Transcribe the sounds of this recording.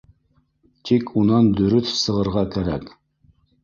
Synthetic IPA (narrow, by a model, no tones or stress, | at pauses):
t̪ʰikʰunɑnd̪ɵ̆ɾɵθsɤ̆ʁɤ̆ɾʁɑkæɾæk